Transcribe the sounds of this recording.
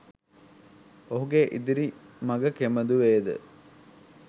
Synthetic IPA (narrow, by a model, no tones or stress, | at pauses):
oɦuɡeʔid̪iɾimɐɡəkeməd̪uʋeːd̪ə̰